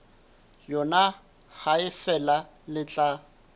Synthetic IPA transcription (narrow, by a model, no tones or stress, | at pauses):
jɔna | haɪfɛla | lɪt͡ɬʼa